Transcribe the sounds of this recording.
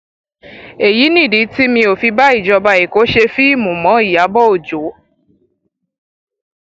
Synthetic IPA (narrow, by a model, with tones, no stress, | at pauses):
e˨ji˨˦nĩ˦˨di˨˦ti˦mĩ˧o˨fi˧ba˦i˦˨d͡ʒɔ˧ba˧i˨ko˨˦ʃe˧fi˦i˦˨mũ˨mɔ̃˨˦i˦˨ja˨˦bɔ˦o˨d͡ʒo˨˦